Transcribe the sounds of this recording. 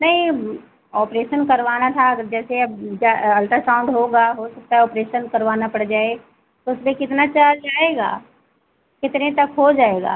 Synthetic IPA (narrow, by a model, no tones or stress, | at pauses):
nɐɦĩ | ɔːpɾeːʃənkɐɾʋaːnat̪ʰaɐɡəɾd͡ʒɛːseɐbd͡ʒaɐlʈəɾsãːʊ̃ɳɖɦoɡaɦosɐk̚t̪aɦɛɔːpɾeːʃənkɐɾʋaːnapɐɽd͡ʒaːe | t̪oʊsmẽkɪt̪nat͡ʃaːɾaːeːɡa̰ː | kɪt̪nẽt̪ɐkɦod͡ʒaːeːɡa̰ː